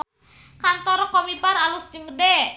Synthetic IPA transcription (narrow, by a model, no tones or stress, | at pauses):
kant̪ɔɾɔkomipaɾalʊsd͡ʒəŋɡəde